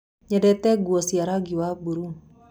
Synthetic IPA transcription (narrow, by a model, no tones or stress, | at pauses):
ɲadɛt̪ɛɡuɔsiaɾaɡiwabuɾuŋ